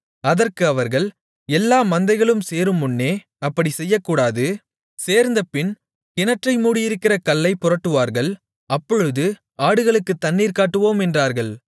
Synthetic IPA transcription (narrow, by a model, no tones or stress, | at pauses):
ɐðɐrkɯɐʋɐɾɣɐɭ | ɛlːaːmɐnd̪ɐɪɣɐɭɯmseːɾɯmːʊnːeː | ɐpːɐɽisɛjːɐkːuːɽaːðɯ | seːɾnd̪ɐpɪn | kɪnɐʈrɐɪmuːɽɪjɪɾɯkːɪrɐkɐlːɐɪpʊrɐʈːɯʋaːɾɣɐɭ | ɐpːɔɻɯðɯ | aːɽɯɣɐɭɯkːɯt̪ːɐnːiːɾkaːʈːɯʋoːmɛndraːɾɣɐɭ